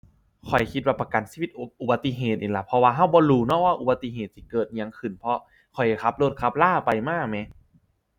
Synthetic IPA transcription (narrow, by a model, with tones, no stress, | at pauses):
kʰɔ˨˩jkʰi˧t̪̚waː˧˩pa˧ka˨˩nsiː˧wi˧t̪̚ʔu˨˩ba˧t̪ːi˧˥˨ɦeː˨˩t̪̚ʔiː˨˩la˨˧˩pʰɔ˧waː˧ɦa˧˥˩wbɔː˧˦ɾuː˧nɔ˧˥˩waː˧˥˩ʔu˨ba˧t̪ːi˧ɦeː˨˩t̪̚si˧˦kɤː˨˩t̪̚ɲa˧ŋkʰɯ˨˩npʰɔ˧ | kʰɔ˨˩ja˨˩kʰa˧˥p̚loː˧˩kʰa˧˥p̚laː˥˩pa˧jmaː˥˩k̚mɛ˧˥